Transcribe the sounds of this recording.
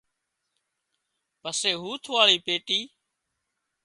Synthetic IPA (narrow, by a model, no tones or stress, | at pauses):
pəseːɦuːt̪ʰʋaːɭiːpeːʈiː